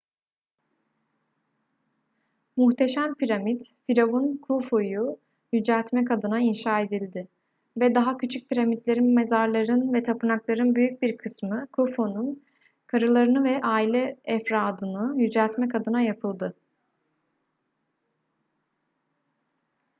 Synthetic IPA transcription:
muxt̪ʰe̞ʃæmpʰiɾamid̪fiɾavunkʰufoju | jyd͡ʒælʲt̪mɛkʰad̪ɯnainʃaːe̞d̪ilʲd̪ɪ | vɛd̪aɦacʰyt͡ʃʰyc̚pʰiɾamit̪lʲe̞ɾinmezaɾlˠaɾɯnvɛt̪ʰapɯnaklˠaɾɯnbyjyc̚biɾkʰɯsmɯkʰufonun | kʰaɾɯlˠaɾɯnɯvɛʔaːilʲɛːfɾaːd̪ɯnɯjyd͡ʒælʲt̪mɛkʰad̪ɯnajapʰɯlˠd̪ɯ

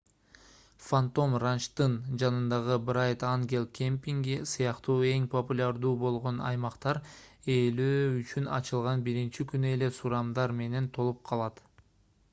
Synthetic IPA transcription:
fant̪o̞mrant͡ʃt̪ɯnd͡ʒɑnɯnd̪ɑʁɯbrajt̪aŋɡʲe̞lˠkʲʰempʲiŋɡisɯjɑqt̪uːe̞ŋpʰopulʲaɾd̪uːbo̞lˠʁo̞nɑ̰jmɑqt̪ɑɾe̞løːyt͡ʃynɑ̰t͡ʃɯlˠʁɑnbiɾint͡ʃikynye̞le̞suɾɑmd̪ɑɾme̞ne̞nt̪ʰo̞lˠup̚qʰɑlˠɑt̪

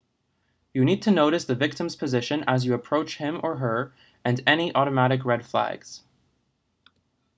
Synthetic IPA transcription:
jɨnid̚tʰɨnoʊɾɨsðɨvɪk̚tɨ̃mz̥pʰɨzɪʃɨ̃nəzjɨəpʰɹ̥oʊt͡ʃhɪ̃mə˞ə˞ | ɨ̃nɛñiʔɔɾɨmæɾɨkɹɛd̥flæ̰ɡz̥

